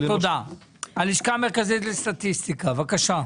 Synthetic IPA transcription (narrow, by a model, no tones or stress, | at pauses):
t̪od̪a | aliʃkameʁkazit̪lest̪at̪ist̪ikavakaʃa